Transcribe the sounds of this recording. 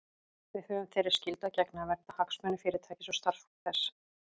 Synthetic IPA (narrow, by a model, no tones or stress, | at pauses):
vɪðhœːvʏmθɛjɾɪɾ̥scɪlt̪acɛknavɛɾ̥t̪ahaksmœnʏfɪːɾɪ̥t̪ʰajcɪ̥sɔst̪aɾ̥fθɛsː